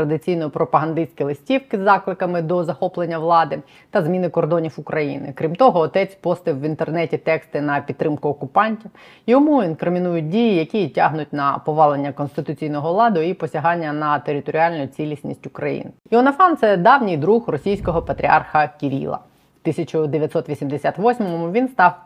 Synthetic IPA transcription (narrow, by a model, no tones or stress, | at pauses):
t̪ɾɐd̪ɪt͡sʲijnɔjipɾɔpɐɦɐnd̪ɪsʲkʲilˠɪsʲtʲiwkɪzːɑklˠɪkɐmɪd̪ɔzɐxɔplˠenʲːɐʋlˠɑd̪ɪ | t̪ɐzmʲinɪkɔrd̪ɔnʲiwʊkɾɐjḭnɪ̰kɾʲimt̪ɔɦɔːt̪ɛt͡sʲpɔst̪ɪwʋint̪ernɛtʲit̪ɛkst̪ɪnɐpʲid̪̚ːɾɪmkʊɔkʊpɑnʲtʲiw | jɔmuinkɾɪmʲinujʊt̚ʲdʲijijɐkʲitʲaɦnʊtʲnɐpɔʋɑlˠenʲːɐkɔnst̪ɪt̪ʊt͡sʲijnɔɦɔʋlˠɑd̪ʊipɔsʲɐɦɑnʲːɐnɐt̪eɾʲɪt̪ɔɾʲiɑlʲnʊjʊt͡sʲilʲisʲnʲḭsʲtʲʊkɾɐ̰jḭnɪjiɔnɐfɑnt̪sɛd̪ɑwnʲijd̪ɾuɦrɔsʲijsʲkɔɦɔpɐt̪ʲɾʲiɑ̰rxɐkʲiɾʲḭlˠɐ̰ | wt̪ɪsʲɐt͡ʃʊd̪eʋʲjɐt̪ʲsɔt̪ʋʲisʲimd̪esʲat̪ʋɔsʲmɔmmʊʋʲinst̪ɑw